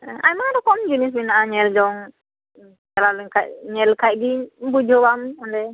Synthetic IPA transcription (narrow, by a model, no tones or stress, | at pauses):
ʔajmaɾɔkɔmd͡ʒunis̬minaʔaɲɛld͡ʒɔŋ | t͡ʃɛlalɛŋkaʔ̚ɲɛlkʰaʔ̚ɡibud͡ʒɔwamɔndɛ